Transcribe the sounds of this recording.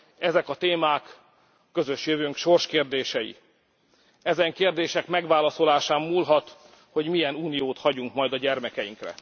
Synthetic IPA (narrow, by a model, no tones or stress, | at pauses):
ɛzɛkɒt̪eːmaːkː | ø̞zø̞ʃjøvøːŋkʃo̞rʃkeːrd̪eːʃɛjḭ | ɛzɛŋkeːrd̪eːʃɛkmɛɡʋaːlɒso̞laːʃaːmːuːlɦɒt̪ | ho̞ɟmijɛnuːnijoːt̪hɒɟuŋkmɒjd̪ɒɟɛrmɛkɛjiŋkrɛ̰